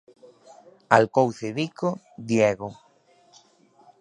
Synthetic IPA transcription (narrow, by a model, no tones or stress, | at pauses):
alkowθeðikʰo | d̪jeɣo